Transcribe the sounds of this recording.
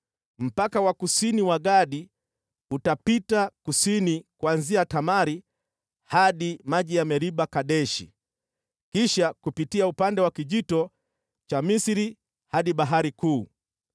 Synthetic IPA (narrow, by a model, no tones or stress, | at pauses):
m̩pakawakusiniwaɠaɗi | utapitakusinikwanziatamaɾi | haɗimaʄijamɛɾiɓakaɗɛʃḭ | kiʃakupitiaupandɛwakiʄitɔ | t͡ʃamisiɾi | haɗiɓaɦaɾikuː